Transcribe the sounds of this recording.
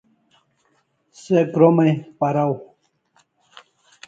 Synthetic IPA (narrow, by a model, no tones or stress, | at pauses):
sekɾomɐjpaɾaw